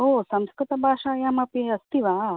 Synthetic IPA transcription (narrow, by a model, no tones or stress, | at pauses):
oːsɐmskɾɪt̪ɐbʱaːʂaːjaːmɐpiɐst̪iʋaː